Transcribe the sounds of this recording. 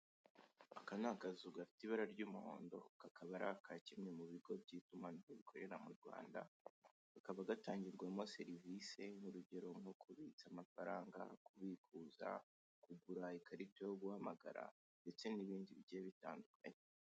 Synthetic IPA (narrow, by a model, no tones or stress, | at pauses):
akanakazuɡafi̥tiβaɾaɾɟuːmuho̞̰ːndo̞̰kakʰaβaɾakʰacimɲe̞muβiɡo̞bɟiːtumanimoβikʰo̞ɾe̞ɾamuɾɡwa̰ːnda̰ | akaβaɡataːɲɟiɾɡwamose̞ɾivise̞nuɾuɟe̞ɾo̞mŋokʰuβit͡samafaɾaːŋɡa̰kuβikuːza̰ | kuɡuɾaikaɾitejoɡuhamaɡa̰ɾa̰ | nde̞t͡se̞niβiːndiβɟeβita̰ːndukʰa̰ɲe